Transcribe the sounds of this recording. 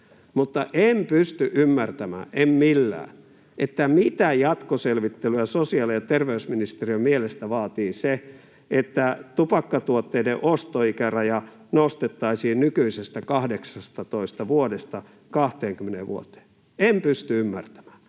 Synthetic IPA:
mut̪ːɑʔempyst̪yʔymːært̪æmæ̰ːʔemmilːæ̰ː | ʔet̪ːæmit̪æjɑt̪koselʋit̪ːelyæsosiɑlijɑt̪erʋeysminist̪eriømielest̪æʋɑːt̪iːse | et̪ːæt̪upɑkːɑt̪uot̪ːeideʔost̪oikærɑjɑ | nost̪et̪ːɑisiːnnykyisest̪ækɑhdeksɑst̪ɑt̪oist̪ɑʋuodest̪ɑ | kɑht̪eːŋkymːeneʋʋṵo̰t̪e̥ː | empyst̪yymːært̪æ̥mæ̥ː

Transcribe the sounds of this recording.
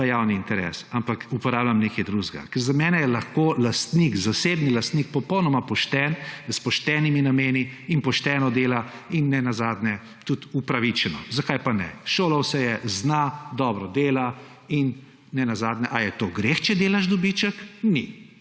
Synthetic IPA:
ajawniːnt̪ɛɾɛ̰ːsampakupɔɾaːblʲjamneːkɛjd̪ɾuzɡa̰kɛɾzamɛːnɛjɛlaxkolast̪nikzaseːbnilast̪nik̚pɔpɔwnɔmapɔʃt̪ɛnspɔʃt̪ɛːniminameːniinpɔʃt̪ɛːnɔd̪eːla | inːɛnazaːd̪nɛ | t̪ut̪upɾaʋit͡ʃɛnɔ̰zakajpanɛ̰ʃoːlawsɛjɛznad̪ɔːbɾɔd̪eːla | inː | ɛnazaːd̪nɛʔajɛt̪oɡɾeːxt͡ʃɛd̪eːlaʃd̪ɔbit͡ʃəkni

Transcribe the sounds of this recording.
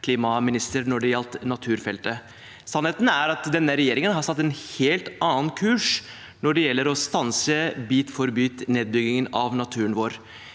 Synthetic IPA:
kʰliːmɑmɪnɪst̪əɾnɔɖɛjɑlt̪nɑt̪ʰʉːɾfɛlt̪ə | sɑnheːt̪n̩æɾɑt̪d̪ɛnːəɾɛjeːɾɪŋənɦɑɾsɑt̪ːɛnheːlt̪ɑːənkʰʉːʂ | nɔɖɛjɛlːəɾɔst̪ɑnsəbiːt̪fɔɾbyːt̪neːd̪̚bʏɡɪŋənɑʋnɑt̪ʰʉːɾənʋoːɾ

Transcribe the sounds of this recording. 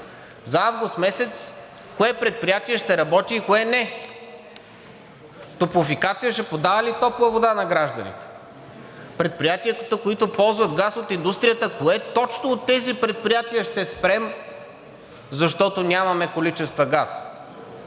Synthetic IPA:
zɐavɡʊst̪mɛsɛt̪s | koɛpɾɛt̪̚pɾijat̪iɛʃt̪ɛɾɐbɔt̪iːkoɛnɛ | t̪opʊfikat̪sijəʃɛpod̪avɐlit̪ɔplˠəvod̪anɐɡɾaʒd̪ɐnḭt̪ɛ̥ | pɾɛt̪̚pɾijat̪iət̪koit̪ʊpɔlˠzvɐd̪ɡasot̪ind̪ust̪ɾijət̪əkoɛt̪ɔt͡ʃnoːt̪ːɛzipɾɛt̪̚pɾijat̪iəʃt̪ɛspɾɛm | zɐʃt̪ɔt̪onʲamɐmɛkolit͡ʃɛst̪vɐɡas

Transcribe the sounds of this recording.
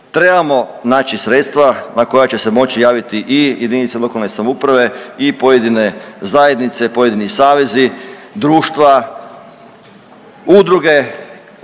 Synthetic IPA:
t̪ɾe̞bamo̞naːt͡ɕisɾeːt̪st̪ʋanako̞jat͡ɕe̞se̞mo̞t͡ɕijaːʋit̪iʔijʔed̪init̪selo̞kalne̞samoupɾaʋe̞ipo̞jed̪ine̞zaje̞d̪nit̪se̞po̞je̞d̪inisaːʋe̞zid̪ɾuːʃt̪ʋa | ud̪ɾuɡe̞

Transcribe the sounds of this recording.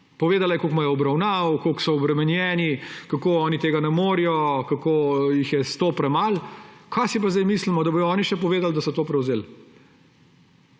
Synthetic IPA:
pɔʋeːd̪alajɛkokmajɛɔbɾawnaːwkoːksɔɔbɾɛmɛnjɛːnikakoɔːnit̪eːɡanɛmoːɾijɔkakoːjixjɛst̪oːpɾɛmalkʰasip̬azd̪ajmislimɔd̪ɐbojɔɔːniʃɛpɔʋeːd̪ald̪ɐsɔt̪oːpɾɛwzeːl

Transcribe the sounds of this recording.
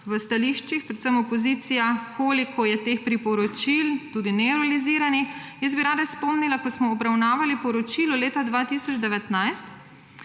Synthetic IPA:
ʋəst̪aliʃt͡ʃixpɾɛt̪səmɔpɔziːt̪sijakʰoːlikʰɔjɛt̪eːxpɾipɔɾɔt͡ʃilt̪uːd̪inɛuɾaliziːɾanixjəszbiɾaːd̪aspɔmnilakɔsmɔːbɾawnaːʋalipɔɾɔt͡ʃilɔleːt̪ad̪ʋaːt̪isɔt͡ʃd̪ɛʋɛt̪najst̪

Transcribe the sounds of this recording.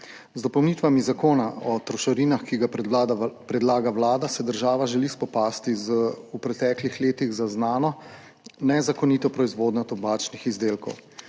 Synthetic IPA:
zd̪ɔpɔwnit̪ʋamizakoːnaɔt̪ɾɔʃɔɾiːnaxkiɡa | pɾɛd̪laːɡawlaːd̪asɛd̪əɾʒaːʋaʒɛlispɔpaːst̪izəupɾɛt̪ɛklixleːt̪iɣzaznaːnɔ | nɛzakɔniːt̪ɔpɾɔizʋoːd̪ɲɔt̪ɔbaːt͡ʃnixizd̪eːlkɔ̰w

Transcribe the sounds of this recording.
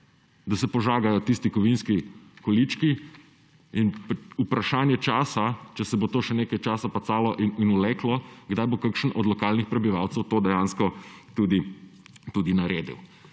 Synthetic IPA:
d̪asɛpɔʒaːɡajɔt̪ist̪ikɔʋinskikɔlit͡ʃki | inpupɾaʃaːnjɛt͡ʃaːsat͡ʃɛsɛbot̪oːʃɛneːkajt͡ʃaːsapat̪saːlɔʔininulɛːklɔɡd̪ajbokakʃənɔd̪lɔkaːlnixpɾɛbiʋawt̪sɛwt̪oːd̪ɛjãːnskɔt̪uːd̪it̪uːd̪inaɾeːd̪ḭw

